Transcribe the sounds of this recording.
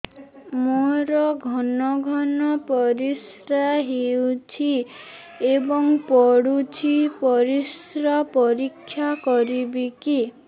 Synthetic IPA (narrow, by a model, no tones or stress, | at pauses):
moɾɔɡʱɔnɔɡʱɔnɔpɔɾis | ɾaɦiwt͡ʃʰi | ebɔŋpɔɽut͡ʃʰipɔɾis | ɾapɔɾikʰːjakɔɾibiki